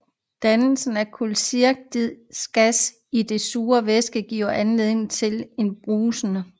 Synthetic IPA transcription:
d̥ænl̩sn̩æɐkʰulsiɐɡ̥̚d̥iðˠsɡ̥æs | id̥e̝suːɐʋesɡ̥əɡ̥ḭːʊɐʔænle̝ðˠe̝ŋ̩t͡sʰe̝le̝nb̥ʁuːsənə

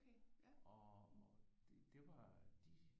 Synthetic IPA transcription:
kʰeɒ | d̥ed̥e̝ʋɑd̥i

